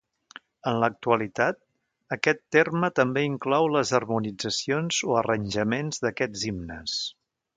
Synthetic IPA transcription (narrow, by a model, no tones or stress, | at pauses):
ənlək̚t̪uəlit̪at̪̚ | əkɛt̪ːermət̪əmbeiŋklɔwləzərmunid͡zəsionzoərənʲʒəmenzðəkɛzimnəs